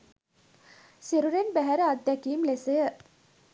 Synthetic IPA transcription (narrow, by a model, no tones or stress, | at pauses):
siɾuɾenbæɦæɾəad̪ːækiːmlesejə